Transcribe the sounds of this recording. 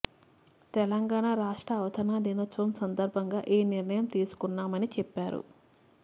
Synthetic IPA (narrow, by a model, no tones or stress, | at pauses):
t̪ɛlɐŋɡaːɳaɾaːʂʈɾɐːʋɐt̪ʰɐnaːninɐt͡ʃ̪ːʋɐmsɐnd̪ɐɾbʱɐŋɡaːʔeːniɾnɐjɐmt̪iːsu̥kunːaːmɐnit͡ʃɛpːaːɾṵ